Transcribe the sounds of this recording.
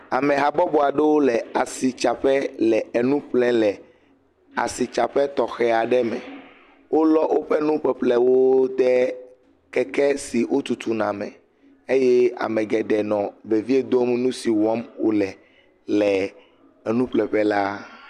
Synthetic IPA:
a˨mɛ̃˨ɦa˨bɔ˦bɔ˨a˨ɖɛ˦wo˦lɛ˨a˨si˨t͡ʃa˨ɸɛ˦lɛ˨e˨nũ˦ɸlɛ̃˦lɛ˨ | a̰˨si˨t͡ʃa˨ɸɛ˦t̪ɔ˨xɛ˦a˨ɖɛ˦mɛ̃˨ | wo˦lɔ˦wʔo˦ɸɛ˦nũ˦ɸɛ˨ɸlɛ˦wo˦d̪ɛ˦ | kɛ˦kɛ˦si˨wo˦t̪u˨t̪u˨nã˨mɛ̃˨ | e˦jɛ˦a̰˨mɛ̃˨ɡɛ˨ɖɛ˨nɔ̃˨be˨vi˦e˦d̪o˦m˦nũ˦si˨wɔ˦mwo˦lɛ˨ | lɛ˨ | ɛ˨nũ˦ɸlɛ˨ɸɛ˦la˦

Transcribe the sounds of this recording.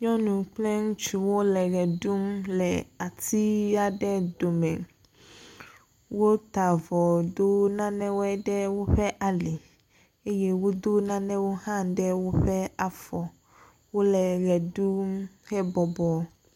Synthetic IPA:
ɲɔ̃˦nũ˨k͡plɛ˦ŋũ˦t͡ʃu˨wo˦lɛ˨ɣɛ˨ɖu˦mlɛ˨a˨t̪i˦a˦ɖɛ˦do˨mɛ̃˨ | wo˦t̪a˨vɔ˨d̪o˦nã˦nɛ̃˦wo˦ɛ˦ɖɛ˦wo˦ɸɛ˦ʔa˨li˨ | e˦je˦wo˦d̪o˦nã˦nɛ̃˦wo˦hã˦ɖɛ˦wo˦ɸɛ˦a˨fɔ˨ | wo˦lɛ˨ɣɛ˨du˦mhɛ˦bɔ˨bɔ˨

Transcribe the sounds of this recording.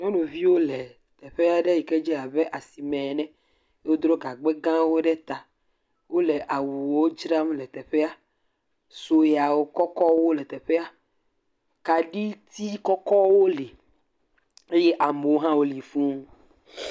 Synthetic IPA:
nɔ̃˦no˨vi˦wo˦lɛ˨ | t̪ɛ˨ɸe˦a˦ɖɛ˦ji˨kɛ˦d͡ʒɛ˦a˨bɛ˦ʔa˨si˨mɛ̃˨nɛ̃˦ | wo˦d̪ɾɔ˦ɡa˨ɡ͡bɛ˦ɡã˦wo˦ɖɛ˦t̪a˨ | wo˦lɛ˨ʔa˨wu˨wo˦d͡ʒɾa˦m˦lɛ˨t̪ɛ˨ɸɛ˦a˦ | so˨ja˨wo˦kɔ˦kɔ˦wo˦lɛ˨t̪ɛ˨ɸɛ˦a˦ | ka˨ɖi˦t̪i˦kɔ˦kɔ˦wo˦li˨ | e˦jɛ˦ʔa˨me˨wo˦ɦã˦wo˦li˨fũ˦

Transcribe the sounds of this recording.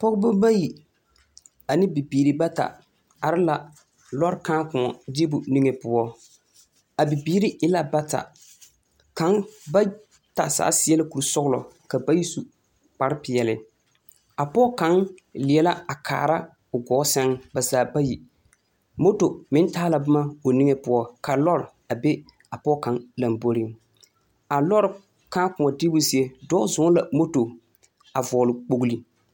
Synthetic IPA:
pɔ˦ɣʊ˦bʊ˦ba˦ji˨ | a˨nɪ˦bi˨biː˨ɾi˨ba˦ta̰˨ | a˨ɾɪ˦la˨ | lɔ˦ɾkãː˦kʊ̃˨ɔ˨di˦bʊ˨ni˦ŋe˨pʊ˦ɔ˦ | a˨bi˨biː˦ɾi˦ɪ˦la˦ba˦ta̰˨ | ka˨˦ŋba˦ | ta̰˨sa̰ː˨˦sɪ˦ɛ˦lɪ˦ku˨ɾsʊ˦ɣʊ˦lɔ̰˨ | ka˨ba˦ji˦su˦ | k͡pa˨ɾɪ˦pɪ˨jɛ˨lɪ˨ | a˨pɔ˦ka˨˦nlɪ˨ɛ˨la˦a˨kʰa̰ː˨ɾa˦ | ʊ˨ɡɔː˨˦sɛ˦ŋba˨zaː˨ba˦ji˨ | mo˦to˨mɪ˦ntaː˦la˨bʊ˦ma˦o˨nɪ˦ŋe˦pʊ˦ɔ˦ka˨lɔ˦ɾ | a˨be˦ | a˨pɔ˦ka˨nla˨mbo˦ɾɪ˦ŋ | a˨lɔ˦ɾ | kaː˦kʊ˨ma˨dɪ˦bʊ˦zi˦e˦dɔ˦zʊ˨˦ŋ˦la˨mo˦to˨ | a˨vɔː˨lɪ˨k͡po˨ɡu˦li˦

